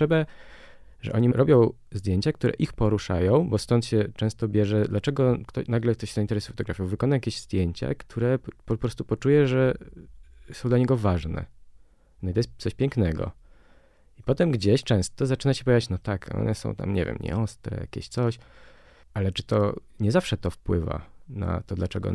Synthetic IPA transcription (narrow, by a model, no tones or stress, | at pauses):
ɛbɛ | ʐɛ̰ʔɔɲiɾʔɔbʲjɔ̃w̃ | zd̪jeɲt͡ɕak̚t̪uɾɛ̰ʔixpɔɾuʂa̰jɔ̃w̃bɔst̪ɔnt̪ɕɛt͡ʂɛ̃w̃st̪ɔbʲjɛʐɛd̪lat͡ʂɛɡɔkt̪ɔnaɡlɛkt̪ɔɕzaint̪ɛɾɛsu̥fɔ̥t̪ɔɡɾafjɔwvɘkɔnajakʲeʑz̥d̪ʲjeɲt͡ɕa̰kt̪ʰuɾɛpɔpɾɔst̪upɔt͡ʂujɛʐɛ | sɔ̃w̃d̪laɲɛɡɔvaʐnɛ̰ | nɔit̪ɔjɛst̪sɔɕpʲjɛŋknɛɡɔ̰ | ipɔt̪ɛmɡd͡ʑeɕt͡ʂɛ̃w̃st̪ɔzat͡ʂɘnaɕɛpɔvʲjad͡ʑat͡ɕnɔt̪akʰɔ̰nɛsɔ̰̃w̃t̪a̰mɲɛ̰vʲjɛ̰mɲɛ̰ɔst̪ɾɛ̰ja̰kʲḛɕt̪sɔɕ | alɛt͡ʂɘ̥t̪ɔ | ɲɛzafʂɛt̪ɔfpwɘva̰na̰t̪ɔd̪lat͡ʂɛɡɔ̰